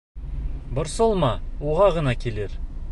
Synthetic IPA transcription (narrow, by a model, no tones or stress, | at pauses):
bʊɾsolˠmɑwoʁɑʁənɑkʲʰe̞le̞ɾ